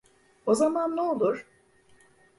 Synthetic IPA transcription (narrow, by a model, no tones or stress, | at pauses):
o̞zamanːeolˠuɾ̥